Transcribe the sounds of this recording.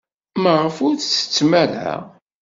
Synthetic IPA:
məʁəfʊɾθt͡sːə̥t͡sːmælæ̰

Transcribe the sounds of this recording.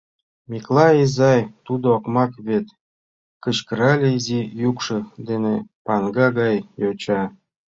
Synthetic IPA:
mʲiklˠɑizɑjt̪ud̪ookmɑkβet̪ | kə̆t͡ɕkəɾɑlʲezijukʃɤd̪enepɑnɡɑɡɑjjot͡ɕɑ

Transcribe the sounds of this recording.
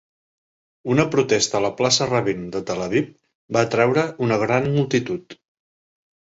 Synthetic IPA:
unəpɾut̪ɛst̪əːləplasərəβind̪ət̪ələβip̚ | bat̪ɾɛwɾəunəɣ̞ɾanmulˠt̪it̪ut̪

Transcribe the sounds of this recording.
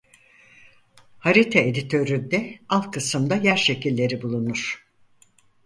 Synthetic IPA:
haɾit̪ʰeed̪it̪ʰø̞ɾyd̪ɛalˠkʰɯsɯmd̪ajæɾʃe̞cilʲːe̞ɾibulˠunuɾ̥

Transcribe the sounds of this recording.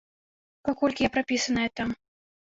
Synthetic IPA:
pakɔlʲkʲijapɾapʲisɐnɐjɛt̪am

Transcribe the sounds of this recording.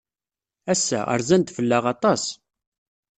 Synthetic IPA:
æsːæ̰ə̰ɾzænt̪fəlːæʁɑt̪ˤɑs

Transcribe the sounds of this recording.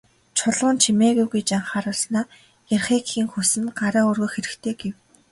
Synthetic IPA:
t͡ɕʰʊɮʁʊːnt͡ɕʰimeːɣujɣujt͡ɕaɴχaːɾʊ̆ɮsnaː | jarχeːkxiːŋxusɘ̆nɢaɾaːɵrɣɵ̆xeɾɘ̆kt̪ʰeːɡew

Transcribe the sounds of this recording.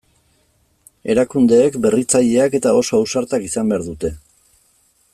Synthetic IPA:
e̞ɾakund̪e̞ːkbe̞rit͡saʎe̞ake̞t̪ao̞so̞awsaɾt̪akisambe̞aɾðut̪e̞

